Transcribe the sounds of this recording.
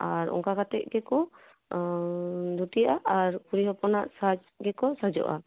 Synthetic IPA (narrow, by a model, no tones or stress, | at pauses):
aɾɔ̰ŋkakat̪ɛʔ̚ˀɡɛkɔ | d̪ʱuʈijaʔaaɾkuɾiɦɔpɔnaʔsad͡ʒ | ɡɛkɔsad͡ʒɔ̰ʔa̰